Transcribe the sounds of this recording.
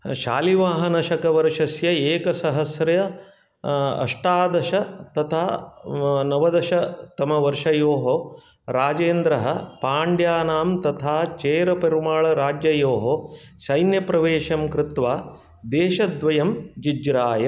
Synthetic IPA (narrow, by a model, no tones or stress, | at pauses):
ʃa̰ːliʋaːɦɐnɐʃɐkɐʋɐɾʂɐsjɐeːkɐsɐɦɐsɾɐjɐ | ɐ̰ʂʈaːd̪ɐʃɐt̪ɐt̪ʰaː | nɐʋɐd̪ɐʃɐt̪ɐmɐʋɐɾʂɐjoːɦo | ɾaːd͡ʒeːnd̪ɾɐɦɐpaːɳɖjaːnaːmt̪ɐt̪ʰaːt͡ʃeːɾɐpɐɾumaːɭɐɾaːd͡ʒjɐjoːɦo | sɐjnjɐpɾɐʋeːʃɐmkɾɪt̪ʋaː | d̪eːʃɐd̪ʋɐjɐmd͡ʒid͡ʒɾaːjɐ